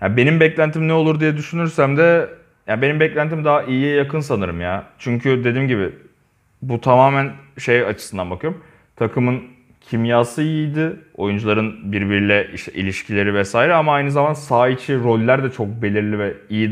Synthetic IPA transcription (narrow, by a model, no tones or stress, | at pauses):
ja̰be̞nimbɛclʲænt̪ʰimnɛo̞lˠuɾd̪ijɛd̪yʃynyɾsæmd̪ɛ | jabe̞nimbɛclʲænt̪ʰimd̪aaʔijiɛjakʰɯns̬anɯɾɯmjaːt͡ʃʰyɲcʰyd̪e̞d̪imɟibɪ | but̪ʰamaːmænʃe̞jat͡ʃʰɯ̥sɯnd̪anbakʰɯjoom | t̪ʰakʰɯmɯn | cʰimjaːsɯjid̪ɪo̞̰jund͡ʒulˠaɾɯnbiɾbiɾilʲɛʔiʃt̪ʰɛʔḭlʲiʃcʰilʲe̞ɾivɛsaːiɾɛamaajnɯzamansaːit͡ʃʰiɾo̞lʲːæɾd̪ɛt͡ʃʰo̞k̚be̞lʲiɾlʲivɛijid̪